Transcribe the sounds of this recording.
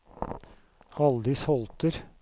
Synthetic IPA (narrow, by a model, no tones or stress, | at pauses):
hɑld̪ɪshɔlt̪əɾ